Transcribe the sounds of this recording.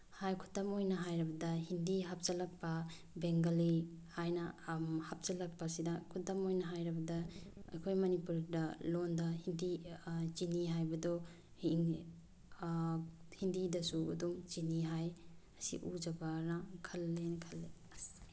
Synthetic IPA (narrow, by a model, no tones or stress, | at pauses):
hajkʰu̥tɐmojnɐɦajɾibɐdɐhindiɦap̚t͡ʃɐlɐk̚pa | beŋɡalihajnɐhap̚t͡ʃɐlɐk̚pasidɐkʰutɐmojnɐɦajɾabɐdɐ̰ːjkʰojmɐnipuɾdɐlondahindit͡ʃiniɦajbɐdo | hi | hindidɐsua̰dumt͡ʃiniɦajɐsḭʔud͡ʒabaɾnakʰɐlːenkʰɐlːe